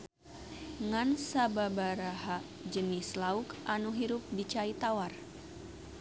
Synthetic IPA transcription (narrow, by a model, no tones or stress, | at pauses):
ŋansababaɾaɦaʔ | d͡ʒənɪslaukʔanuɦiɾʊp̚dit͡ʃait̪awar